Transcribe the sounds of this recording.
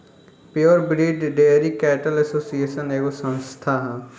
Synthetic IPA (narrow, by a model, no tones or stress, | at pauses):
peəɾbɾiːɖɖeɾiːkɛːʈəlɛsoːsieːʃəneːɡosə̃nst̪ʰaː